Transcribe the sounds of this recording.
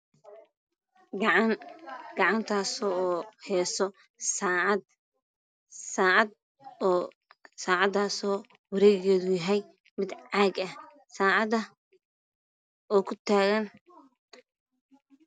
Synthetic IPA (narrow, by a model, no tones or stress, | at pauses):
ɡʕnɡ̥ɑʕɑnt̪ʰaːsɔːhɛːsɔ | sa | saːʕɑd̪ | saːʕɑd̪aːsɔː | wɑɾɛːɣɛːðʊjɐɦɛj | mɪd̪ʕɑːɡɐh | saːʕɑðɐ | ɔːkʰʊt̪ʰaːɣɐn